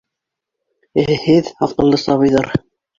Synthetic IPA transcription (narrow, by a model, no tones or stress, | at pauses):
hɘðɑqɤ̆lˠːɤsɑβɤ̆jðɑɾ